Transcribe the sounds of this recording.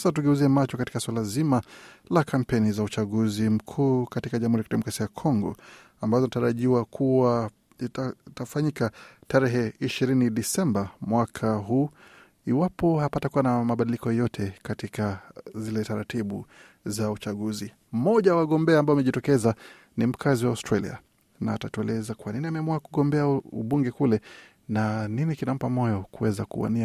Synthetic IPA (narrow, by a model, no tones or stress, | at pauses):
satuɡɛuziɛmat͡ʃɔkati̥kaswalazimalakʰam̩pɛnizaut͡ʃaɠuzim̩kʰuːkatikaʄamhuɾiakidɗɛmɔkɾasijakʰɔŋɡɔ̰ | ambazɔnataɾaʄiwakʰuwa | tafaɲikataɾɛɦɛiʃiɾiniɗisɛmbamwakʰaɦuː | iwapɔhapatakuwanamaɓaɗilikɔjɔtʰɛkatikazilɛtaɾatiɓu | zaut͡ʃaɠuzi | m̩mɔʄajawaɠɔmbɛaːmbaɔmɛʄitɔkɛza | nim̩kʰaziwawstɾalḭa̰ | naːtatuɛlɛzakuwaniniamɛamuakuɡɔmbɛaṵɓuŋɡɛkulɛ | naninikinam̩pamɔjɔkuwɛzakṵwa̰ni